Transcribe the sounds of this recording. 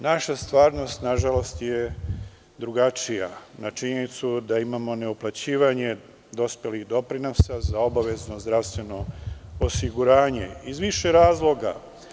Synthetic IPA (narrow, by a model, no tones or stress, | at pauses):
naʃast̪ʋaːɾno̞st̪naʒalo̞st̪je | d̪ɾuɡat͡ʃijanat͡ʃiɲenit̪sud̪aimamo̞ne̞uplat͡ɕiːʋaɲe̞ | d̪o̞spjelixd̪o̞pɾinosazao̞baʋe̞zno̞zd̪ɾafst̪ʋe̞no̞osiɡuɾaːɲe̞̰izʋiʃeɾaːzlˠo̞ɡa̰